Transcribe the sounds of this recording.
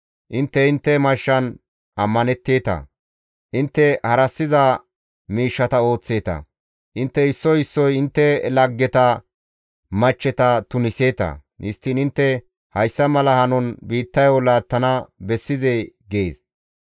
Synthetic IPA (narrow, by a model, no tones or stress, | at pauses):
ʔɪnt̪ːɛɪnt̪ːɛmɐʃːɐn | ʔɐmːɐnɛt̪ːeːt̪ɐ̰ | ʔɪnt̪ːɛhɐɾɐsːɪzɐ | miːʃːɐt̪ɐo̞ːt͡sːe̞ːt̪ɐ̰ | ʔɪnt̪ːɛɪsːɔhɪsːɔjɪnt̪ːɛlɐɡːɛt̪ɐ | mɐt͡ʃːɛt̪ɐt̪ʊnɪseːt̪ɐ̰nɪst̪ːɪnɪnt̪ːɛ | hɐjsːɐmɐlɐhɐnɔnbiːt̪ːɐjolaːt̪ːɐnɐbɛsːɪzeɡeːs